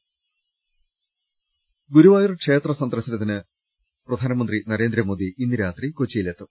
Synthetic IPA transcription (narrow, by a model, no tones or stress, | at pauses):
ɡuɾuʋaːjirɨkʂe̞ːt̪rɐsɐnd̪rɐsɐnɐt̪̬ːinɨ | prɐd̪ʱaːnɐmɐnd̪rinɐɾe̞ːnd̪ɾɐmo̞ːd̪iʔinːiɾaːt̪rikot͡ɕːijile̞ːt̪ːum